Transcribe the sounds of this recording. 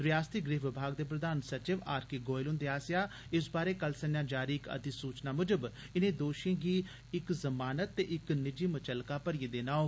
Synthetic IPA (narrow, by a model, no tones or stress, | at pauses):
ɾɪjaːst̪iɡɾiːɦʋɪbʱaːɡd̪eːpɾəd̪aːnsət͡ʃɪʋaːɾkiːɡoːɪlʊnd̪eaːsjaː | ɪsbaːɾeːkəlsənjãːd͡ʒaːɾiːkə̰t̪isuːt͡ʃnaːmʊd͡ʒəb | ɪnẽːd̪oːʃẽːɡiː | ɪkzəmaːnət̪ːeːʔɪknɪd͡ʒiːmət͡ʃəlkaːpəɾieːd̪eːnaːoː